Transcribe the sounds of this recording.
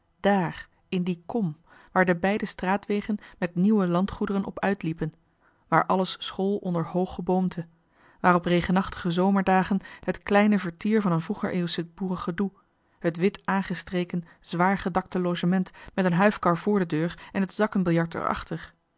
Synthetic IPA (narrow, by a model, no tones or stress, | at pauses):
d̥aːr | ɪndikɔm | ʋaːɹdəbɛjdəstraːtʋejχənmɛtniwəlɑntχudərənʔɔ̰pœɥtlipən | ʋaːɹʔɑləssχolˠɔndəɹhowχəbowmtʰə | ʋaːrɔpreχənɑχtə̥χəzowməɹdaːχənɦətklɛjnəvəɹtiːɹvɑnənvuχəɹʔḛwsɪt̚buːrəχədu | hətʋɪtaːnχəstrejkən | z̥ʋaːɹχədɑk̚təlowʒəmɛntmɛtənɦœɥfkɑɹvʊːɹdədøːrɛnɦətz̥ɑkənbɪlˠjɑɹtə̰ɹɑ̰χtəɹ